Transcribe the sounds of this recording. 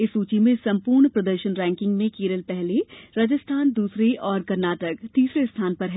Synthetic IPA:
ɪsuːt͡ʃimẽsɐ̃mpuːɾɳpɾɐd̪əɾʃənɾɛ̃ːŋkɪ̃ŋɡmẽkeːɾəlpɛɦleɾɐd͡ʒəst̪ʰaːnd̪uːsɾeʔɔːɾkɐɾnaːʈəkt̪iːsɾest̪ʰaːnpɐɾɦ

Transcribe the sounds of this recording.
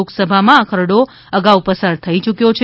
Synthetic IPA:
oksəbʱamãakʰəɾɽo | əɡaupəsaɾt̪ʰəit͡ʃukjot͡ʃʰ

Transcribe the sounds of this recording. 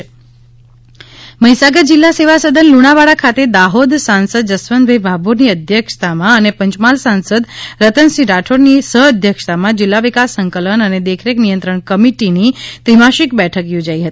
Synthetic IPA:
məɦisaɡəd̪d͡ʒɪlːaseʋasəd̪ʱənluɽ̃aʋaɽakʰat̪ed̪aɦod̪sansəd̪̚d͡ʒəsʋənbʱəjbʱaboɾniəd̪ʱjəkʂt̪amãənepəɲt͡ʃmalsansəd̪ɾət̪ənsiɾaʈʰoɾnisəɦəd̪ʱjəkʂt̪amãd͡ʒɪlːaʋɪkasːəŋkələnəned̪ekʰɾeknijənt̪ɾəɳkəmiʈinit̪ɾimaʃikbɛʈʰəkjod͡ʒaiɦət̪i

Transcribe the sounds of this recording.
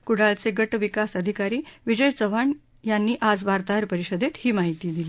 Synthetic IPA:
kuɽ̤alt͡seɡəʈʋikasəd̪ʱikaɾiːʋid͡ʑəjt͡səʋaɳ | janːiːʔad͡zʋaɾt̪aɾpəɾiɕəd̪et̪hiːmaɦit̪iːd̪ili

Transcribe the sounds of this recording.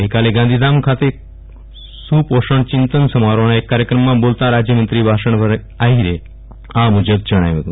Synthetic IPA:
ɦikaleɡãnd̪ʱiːd̪amkʰat̪e | suːpoʂəɳt͡ɕint̪ənsəmaɾoɳ̃aekːaɾjəkɾəmːabolt̪aɾad͡ʑjəmənt̪ɾiːbʱaʂəɳʋəɾ | aɦiɾe | ãmud͡ʑəɡ̪̚d͡ʑəɽ̃a̰jʋeɡ̪u

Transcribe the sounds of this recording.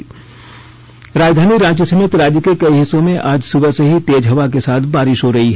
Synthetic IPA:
ɾaːd͡ʒd̪ʱaːniɾãːt͡ʃəsəmɪt̪ɾaːd͡ʒjəkekɐiɦɪsːõmẽʔaːd͡ʒsʊbəseɦit̪eːd͡ʒɦɐʋak̬esaːt̪ʰbaːɾɪʃɦoɾɐɦiɦɛː

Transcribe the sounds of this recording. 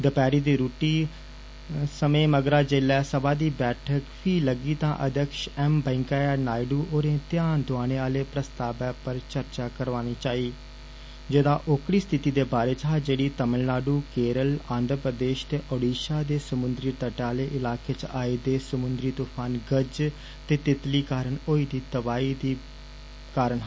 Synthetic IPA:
d̪əpɛːɾiːd̪iːɾuːʈiː | səmẽːməɡɾaːd͡ʒelɛːsəbaːd̪iːbɛːʈʰəkpʰiːləɡiːt̪ã̰ːʔə̰d̪əkʃɛːmbɛ̃ɪŋkaːaːnaːɪɖuːʔoːɾẽːt̪ɪjaːnd̪ʊaːñeːaːleːpɾəst̪aːbɛːpəɾt͡ʃəɾt͡ʃaːkəɾʋaːñiːt͡ʃaːiː | d͡ʒed̪ãːʔʊkɽiːst̪ʰɪt̪iːd̪eːbaːɾeːt͡ʃɦaːd͡ʒeːɽiːt̪əməllaːɖuːkeːɾəlãːnd̪ɾəpɾəd̪eːʃt̪eːʔɔːɖiːʃaːd̪eːsəmʊnd̪ɾiːt̪əʈaːleːʔɪlaːkeːt͡ʃaːiːd̪eːsəmʊnd̪ɾiːt̪uːpʰaːnɡəd͡ʒ | t̪eːt̪ɪt̪liːkaːɾəɳoːiːd̪iːt̪əbaːiːd̪iː | kaːɾəɳɦ

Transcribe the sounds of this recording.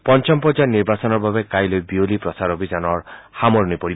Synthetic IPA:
pɔnt͡ʃɔmpɔd͡ʒaniɾbasɔnɔɾbʱabekajlojbiolipɾɔsaɾɔbʱizanɔɾhamɔɾnipɔɽi

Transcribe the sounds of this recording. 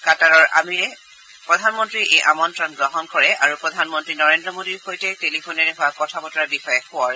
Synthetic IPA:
kataɹɔɹʔa̰miɹɛ | pɹɔdʱanmɔntɹiʔejʔamɔntɹɔnɡɹɔɦɔnkɔɹɛʔaɹupɹɔdʱanmɔntɹinɔɹendɹɔmodiɹxojtɛtelipʰonɛɹɛɦʊakɔtʰabɔtɔɹabixɔjɛxʊaɹ

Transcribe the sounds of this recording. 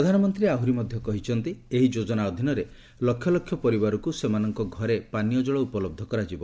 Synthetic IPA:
ɾɔd̪ʱanɔmɔnt̪ɾieaɦuɾimɔd̪ʱjɔkɔɦit͡ʃʰɔnt̪ieɦid͡ʒod͡ʒɔnaɔd̪ʱinɔɾe | lɔkʰːjɔlɔkʰjɔpɔɾibaɾɔkusemanɔŋkɔɡʱɔɾepanijɔd͡ʒɔɭɔupɔlɔb̚d̪ʱɔkɔɾad͡ʒibɔ

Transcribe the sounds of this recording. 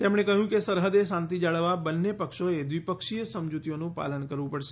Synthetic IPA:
t̪emɽ̃ekəɦjũkesəɾɦəd̪esãnt̪id͡ʒaɭəʋabənːepəkʃoed̪ʋipəkʃijəsəmd͡ʒut̪ijonũpa̰lənkəɾʋũpəɽʃe̥

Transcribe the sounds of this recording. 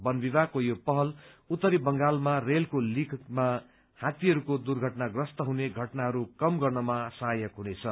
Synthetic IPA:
bʌnbibakojopʌɦʌlut̪ːʌɾibʌŋɡalmarelkolikʰma | hãt̪iɦʌɾukod̪urɡʱʌʈnaɡrʌst̪ʌɦuneɡʱʌʈnaɦʌɾukʌmɡʌrnʌmasajʌkɦunet͡sʰʌ

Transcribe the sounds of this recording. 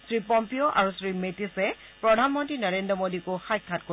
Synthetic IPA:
sɹipɔmpioʔaɹusɹimetisɛ | pɹɔdʱanmɔntɹinɔɹendɹɔmodikoxajkʰːat̚ko

